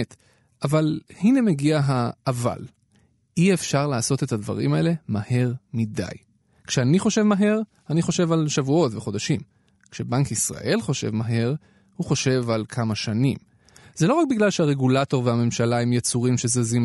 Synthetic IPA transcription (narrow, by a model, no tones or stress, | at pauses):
t | avalhine̞meɡiaɦaːva̰l | ʔiefʃaʁlaːso̞t̪e̞thadva̰ʁḭmae̞le̞mahe̞ʁmida̰j | kʃeaniχo̞ʃe̞vmaɦe̞ʁ | aniχo̞ʃe̞valʃavuo̞tveχo̞daʃim | kʃe̞baŋkisʁa̰ʔe̞lχo̞ʃe̞̰vmaɦe̞ʁ | huχo̞ʃe̞valkʰamaʃanḭm | z̥elo̞ʁak̚biɡlalʃehaʁe̞ɡulato̞ʁveame̞mʃalaemjet͡suʁimʃezezim